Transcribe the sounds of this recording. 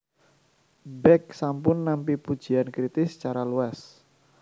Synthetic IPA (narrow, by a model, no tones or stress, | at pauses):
bɛk̚sampʊnːampipud̥d͡ʒ̥i̤ankɾit̪ɪsə̥t͡ʃaɾaluas